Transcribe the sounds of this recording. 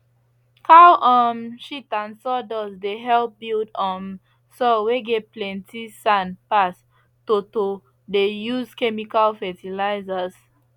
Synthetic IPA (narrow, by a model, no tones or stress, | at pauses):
hawʔɔmʃitãnsɔdɔzdeɦɛlp̚bildɔ̃m | sɔweɡɛplɛ̃ntisãnpas | toto | dejuzkɛmikalfɛtilaɪzaz